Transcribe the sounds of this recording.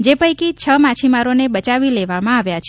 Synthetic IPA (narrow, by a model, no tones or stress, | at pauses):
d͡ʒepəjkit͡ʃʰəmat͡ʃʰimaɾonebət͡ʃaʋileʋamãaʋjat͡ʃʰ